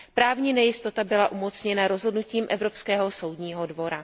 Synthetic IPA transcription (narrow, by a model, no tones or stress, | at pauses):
pɾaːvɲiːnɛjɪst̪o̞t̪abɪlaʔumot͡sɲɛnaɾo̞zɦodnuciːmʔɛvɾo̞pskɛːɦo̞so̞wdɲiːɦo̞dvo̞ɾa